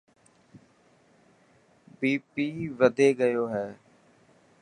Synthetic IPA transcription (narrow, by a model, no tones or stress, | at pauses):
biːpiːʋəd̪eːɡəjoːɦɛː